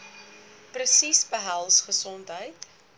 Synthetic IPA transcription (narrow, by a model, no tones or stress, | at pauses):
prəsisbəɦælˠsχəsɔntɦəjt